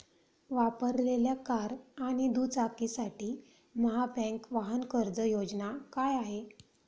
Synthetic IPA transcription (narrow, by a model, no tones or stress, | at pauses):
ʋapəɾleljakaɾaɽ̃id̪ut͡sakisaʈiː | məɦabɛ̃ŋkʋaɦənkəɾd͡zəjod͡znakajaɦe